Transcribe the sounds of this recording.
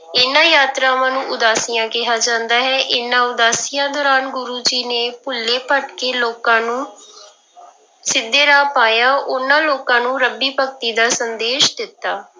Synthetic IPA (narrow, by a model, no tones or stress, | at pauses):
ɪnãːjaːt̪ɾãːmãːnũːʔʊd̪aːsɪjãːkɪɦaːd͡ʒãːnd̪aːɦɛːʔɪnãːʊd̪aːsɪjãːd̪ɔːɾaːnɡʊɾuːd͡ʒiːneːpʊlːeːpəʈkeːloːkãːnũː | sɪd̪ːeːɾaːpaːjaːʔʊnãːloːkãːnũːɾəbiːpəkt̪iːd̪aːsənd̪eːʃd̪ɪt̪ːaː